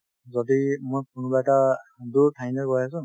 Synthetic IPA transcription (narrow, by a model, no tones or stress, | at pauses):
zɔdimojkʊnbaɛtaduɹtʰajnɛkɔjas̬ʊ̃